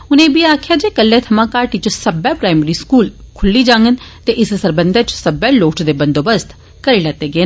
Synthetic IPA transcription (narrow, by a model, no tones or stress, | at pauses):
ʊnẽːbiaːkʰjaːd͡ʒeːkəlːɛ̃ːt̪ʰɐmãːkaːɾʈit͡ʃsəbɛpɾaːɪməɾiːskuːlkʰʊlːiːd͡ʒãːŋɡənt̪eʔɪssəɾbənd̪at͡ʃsəbɛːloːʈʰd̪eːbənd̪oːbəst̪ʰ | kəɾeːlaːt̪ːeːɡəeː